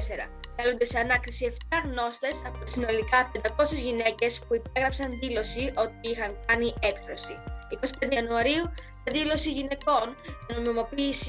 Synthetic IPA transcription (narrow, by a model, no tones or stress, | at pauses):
se̞ɾɐ̰kɐlo̞nd̪eseɐnɐkɾisie̞ft̪ɐɣno̞st̪e̞sɐpot̪isino̞likɐpend̪ɐko̞sezʝine̞ce̞spuipeɣɾɐpsɐnðilo̞siʔo̞t̪̚iixɐŋkɐniʔe̞kθɾo̞sḭiko̞si̥pend̪eɐnuɐɾiu | eðilo̞siʝine̞ko̞nʝɐno̞mimo̞piːsi